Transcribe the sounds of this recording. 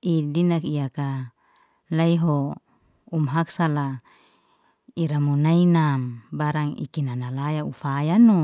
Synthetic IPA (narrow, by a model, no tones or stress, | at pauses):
ʔidinakijaka | laiɦo | umɦaksala | iɾamunainambaɾaŋḭkinanalajaufajano